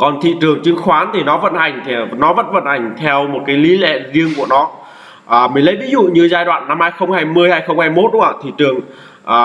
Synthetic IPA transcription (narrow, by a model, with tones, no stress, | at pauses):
kɔ˨˩nt̪ʰḭ˧˨t͡ɕɨ˨˩əŋt͡ɕɨ˨˧˦ŋxwaː˨˦nt̪ʰi˨˩nɔ˨˦və̰˧˨nha˨˩jŋ̟t̪ʰi˨˩nɔ˨˦və̰˧˥nvə̰˧˨nha˨˩jŋ̟t̪ʰɛ˧wmo˨˩t̚kaː˨˦jli˨˦lɛ̰˧˨zi˧əŋku˧˩ənɔ˨˦ | ʔəː˨˩mə˨˩˦lə̰˧˥vi˨˦zṵ˧˨ɲɨ˧zaː˧jɗwa̰ː˧˨nːa˧mhaː˧jxə˧wŋ͡mhaː˧jmɨ˧əjhaː˧jxə˧wŋ͡mhaː˧jmo˦˥t̚ɗṵ˧˥ə˨˩t̪ʰḭ˧˨t͡ɕɨ˨˩əŋ | ʔəː˨˩